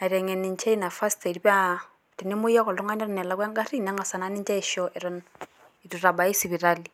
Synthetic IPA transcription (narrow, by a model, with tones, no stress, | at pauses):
a˨i˨ɾɛ˨ŋɛ˨ni˨nt͡ʃɛ˦i˦na˨fa˦sta˨di˦pa˦ | ti˨ni˦mʊ˦ja˦kɔ˨lʊ˦ŋa˦nɛ˦ɾɔ˦nɛ˨la˦ka˦ŋɡa˦ri˦˨na˦ŋa˨sa˨na˦nɪ˦ɲt͡ʃɛ˦ɪ˨ʃɔ˦ʔɪ˨ɾɔ˦n | i˨tu˨ɾa˨ba˨i˦si˨bi˨ɾa˦li˨